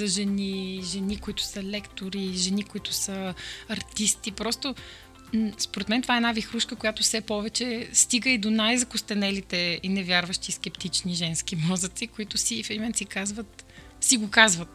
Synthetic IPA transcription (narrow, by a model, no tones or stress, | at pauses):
zɐʒɛniʒɛnikoit̪ʊ̥sɐlɛkt̪oɾiʒɛnikoit̪ʊ̥səɐɾt̪ist̪ipɾɔst̪o | m̩spoɾɛt̪mɛnt̪ovaɛnavixɾuʃkəkojat̪ʊfsɛpɔvɛt͡ʃɛst̪iɡəid̪onajzɐkʊst̪ɛnɛlit̪ɛinɛvʲjaɾvəʃt̪iːskɛpt̪it͡ʃniʒɛnskimɔzət̪sikoit̪ʊsifɛɾimɛnsikazvət̪ | siɡokazvət̪̚